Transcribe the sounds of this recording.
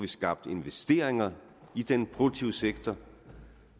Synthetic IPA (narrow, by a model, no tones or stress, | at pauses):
ʋisɡ̥ɑ̈b̥̚d̥e̝nʋesd̥e̝̰ɐ̰eŋɐ | id̥enpʰʁo̝̥t͡sʰiʊəseɡ̥t͡sʰɐ